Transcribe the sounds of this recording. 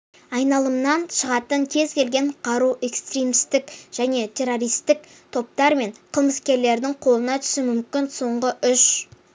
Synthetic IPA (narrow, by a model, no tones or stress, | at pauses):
ɑjnɑlˠəmnɑnʃəʁɑt̪əɴkʲʰe̞zkʲe̞lɡʲe̞ɴqʰɑɾuʔe̞kst̪rimst̪ɪkʒ̥æne̞t̪ʲʰe̞ro̞ɾijst̪ɪk | t̪ʰo̞p̚t̪ɑɾme̞ɴqʰəlˠməskʲe̞ɾle̞ɾd̪ɪŋqʰo̞lˠənɑt̪ʰʏ̥sɪmʏmkʲɪnso̞ɴʁəʔʏʃ